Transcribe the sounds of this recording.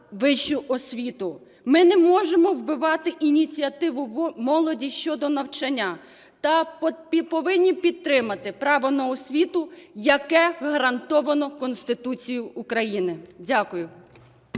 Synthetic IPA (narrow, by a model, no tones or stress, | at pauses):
ʋɪʃʊʔɔsʲʋʲit̪ʊ | mɪnɛmɔʒemɔwbɪʋɑt̪ɪʔinʲit͡sʲiɐt̪ɪʋʊmɔlˠɔdʲiʃt͡ʃɔd̪ɔnɐwt͡ʃɐnʲːa | t̪ɐ | pɔʋɪnʲːipʲid̪̚t̪ːɾɪmɐt̪ɪpɾɑʋɔnɐɔsʲʋʲit̪ʊjɐkɛɣɐɾɐnt̪ɔʋɐnɔkɔnst̪ɪt̪ut͡sʲijʊːkɾɐjinɪdʲakʊjʊ